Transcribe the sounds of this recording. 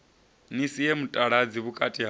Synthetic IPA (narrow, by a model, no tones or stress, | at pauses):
nisijemutʼaɺad͡ziβukʼatʼiɦ